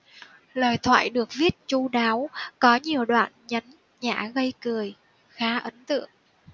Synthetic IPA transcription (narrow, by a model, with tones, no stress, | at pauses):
ləː˨˩jt̪ʰwa̰ː˧˨jɗɨ˨˩ək̚vi˦˥ət̚t͡ɕu˧ɗaː˨˦wkɔ˨˦ɲi˨˩əwɗwa̰ː˧˨nɲə˨˦n | ɲa̰ː˧˩ɣə˧jkɨ˨˩əj | xaː˨˦ʔə˨˦nt̪ɨ̰˧˨əŋ